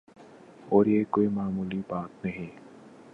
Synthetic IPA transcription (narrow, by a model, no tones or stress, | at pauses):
ɔːɾjekoːimaːmuːlibaːt̪nɐɦĩ